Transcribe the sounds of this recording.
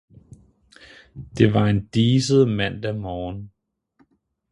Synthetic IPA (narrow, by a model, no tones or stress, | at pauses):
d̥e̝ʋɑ̈e̝nd̥iːsəð̩ˠmæn̰d̥æmɒːn